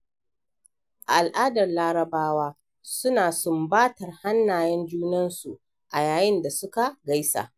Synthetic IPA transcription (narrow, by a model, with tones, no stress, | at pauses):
ʔa̰˨ʔa˨lʔaː˦dɐ˨rlaː˦ɾɐ˨baː˦waː˦ | sʊ˦naː˨sʊ˦mbaː˦tɐ˨rha˦nːaː˨jɛ˦nd͡ʒuː˦nɐ˦nsu˨ | ʔa˨jaː˨jɪ˦nda˨sʊ˦ka˨ɡa˦jsa̰ː˨ʔ